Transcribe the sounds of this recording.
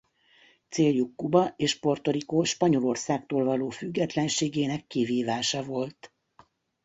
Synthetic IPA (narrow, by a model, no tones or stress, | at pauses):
t̪seːljukːubɒʔeːʃpo̞rt̪o̞ɾikoːʃpɒɲo̞lo̞rsaːk̚t̪oːlvɒloːfyɡːɛt̪lɛnʃeːɡeːnɛkːiviːvaːʃɒvo̞lt̪